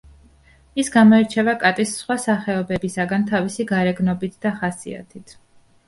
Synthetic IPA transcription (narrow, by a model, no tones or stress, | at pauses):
isɡamɔɛɾt͡ʃʰɛvakʼat̪ʼisːχwasaχɛɔbɛbisaɡant̪ʰavisiɡaɾɛɡnɔbit̪ʰd̪aχasḭa̰t̪ʰit̪ʰ